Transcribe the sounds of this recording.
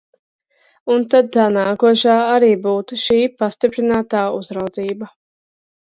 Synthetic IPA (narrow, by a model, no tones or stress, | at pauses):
unt̪ad̪̚t̪anaːkuɔʃaːaɾiːbuːt̪uʃiːpast̪ipɾinaːt̪aːuzɾawd̪ziːba